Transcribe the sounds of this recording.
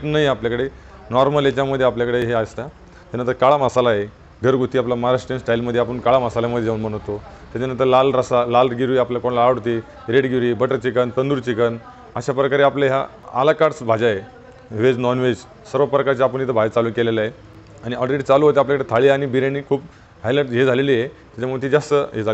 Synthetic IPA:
ʈnaɦjapljakəɽe | nɔɾməlet͡ɕaməd̪ʱːeapljakəɽeɦeast̪a | t̪anənt̪əɾkaɭamasalaɦe | ɡʱəɾɡut̪iːaplamaɾaʂʈɾənsʈailməd̪ʱːjeap̬əɳkaɭamasaljaməd̪ʱjejaunm̤əɽ̃ə̃t̪o | t̪jat͡ɕanənt̪̬əɾlalɾəsalalɾɡiɾujapljakoɳlaːʋɽt̪i | ɾeɽɡiʋɾibəʈəɾt͡ɕikənt̪ənd̪uːɾt͡ɕikən | əɕapɾəkaɾeapleɦja̰ | a̰lakaɾt͡sbʱad͡ʑaje | ʋed͡znɔnʋed͡ʑ | səɾʋəpɾəkaɾt͡ɕaapəɳit̪əbʱad͡ʑt͡saluːkelelaɦe | aɽ̃iaɽɾeʈt͡saluːɦot̪eap̬ljakəɽet̪ʰaɭiañibiɾjaniːkʰuːp | ɦajləʈɦed͡zʱalelijet̪jat͡ɕamuɽt̪ʰid͡zast̪əɦed͡zʱa

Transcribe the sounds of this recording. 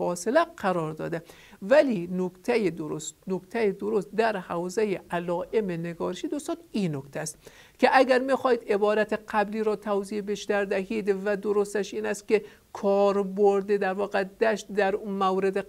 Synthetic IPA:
ɒːselæqʰæɾɒːɾd̪ɒ̰ːd̪æ | vælinokt̪ʰæjed̪oɾostnokt̪ʰæjed̪oɾost̪̚d̪æɾhæwzæjeʔælɒːʔemeneɡɒːɾeʃid̪ost̪ɒninokt̪ʰæst̪ | kʲʰeʔæɡæɾmixɒːhiːd̪ebɒːɾæt̪ʰeqʰæbliːɾɒːt̪ʰæwzibeʃt̪æɾd̪æɦid̪væd̪oɾost̪æʃiːnæst̪̚kʲe | kʰɒːɾboɾd̪ed̪æɾvɒːɣed̪æʃt̪̚d̪æɾmæwɾed̪e

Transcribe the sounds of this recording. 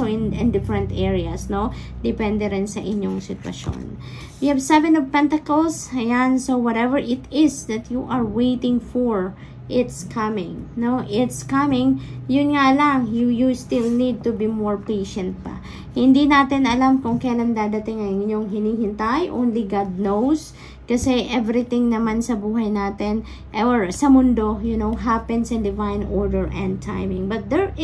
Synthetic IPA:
oɪnɪnd̪ɪfɹɛ̃nt̪ʔɛɹiɐsno̞ | d̪ɛpɛnd̪ɛɾɛnsɐʔɪɲːoŋsɪt̪wɐ̰ʃo̰n | wihavsɛvɛnɔvpɛnt̪ɐkolsɐjansowɐɾɛvɛɹʔɪt̪ɪsd̪ɐt̪juʔɐɹwejt̪ɪŋfɔɹ | ʔɪt̪skʰɐmɪ̃ŋnoʔɪt̪skɐmɪŋjʊnŋalɐŋjujust̪ilnid̪̚t̪ʊbimoɹpejʃɛ̃nt̪̚pɐ̰ | hɪnd̪inaːt̪ɪnɐlamkʊŋkɐjland̪aːd̪ɐt̪ɪŋɐŋɪɲoŋɦɪniːhɪnt̪ajʔõ̰wnliɡad̪̚nows | kɐsɛʔɛvɾɪt̪ɪŋnɐmansɐbuːɦɐjnaːt̪ɪn | ʔɛɹsɐmʊnd̪o̞jʊnowɦapɛ̃nsɪ̃nd̪ɪvajnʔoɹd̪ɛɹʔɛ̃nd̪̚t̪ʰa̰jmɪ̃ŋbɐt̪̚d̪ɛɹ

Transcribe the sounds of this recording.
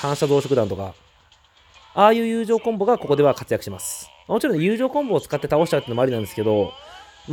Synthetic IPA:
kãɰ̃ɕazoːɕo̞kɯãnt̪o̞ka̰ | aːjɯ̟ːjɯ̟ːʑo̞ːkõmbo̞ɡako̞ko̞d̪e̞βakat͡sɨjakɯ̟ɕimasɨ̥mamo̞t͡ɕiɾõjɯ̟ːʑo̞ːkõ̞mbo̞ːt͡sɨ̥kat̪ːe̞t̪ao̞ɕi̥t̪at̪eɯːnomoaɾʲinãnd̪eske̞d̪o̞ | m

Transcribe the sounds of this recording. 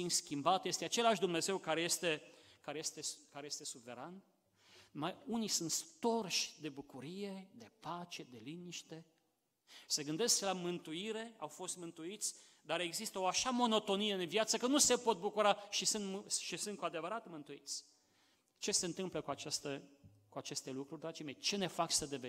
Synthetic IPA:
inskʲimbat̪je̞st̪eat͡ʃe̞laʃd̪umne̞ze̞wkaɾeje̞st̪e̞kaɾejest̪ekaɾeje̞st̪e̞suve̞ɾan | majunisunt̪st̪o̞rʃʲd̪e̞bukuɾije̞d̪e̞pat͡ʃe̞d̪e̞liniʃt̪e̞ | se̞ɡɨnd̪e̞sklamɨnt̪uiɾe̞awfo̞st̪mɨnt̪uit̪sʲ | d̪aɾe̞ɡzist̪əo̞aʃamo̞no̞t̪o̞nijeɨnvjat̪səkənuse̞po̞t̪̚bukuɾaʃisɨnt̪mʃisɨnt̪̚kuad̪e̞vəɾat̪mɨnt̪uit̪sʲ | t͡ʃe̞se̞ɨnt̪ɨmpləkuat͡ʃast̪ə | kuat͡ʃe̞st̪elukɾurʲd̪ɾad͡ʒime̞jt͡ʃe̞ne̞fat͡ʃsəd̪eve

